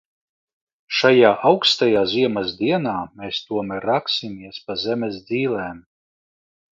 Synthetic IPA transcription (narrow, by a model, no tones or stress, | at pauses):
ʃajaːʔawkst̪ajaːziɛmazd̪iɛnaːmeːst̪uɔmɛɾaksimiɛspazɛmʲɛsd̪ziːlɛːm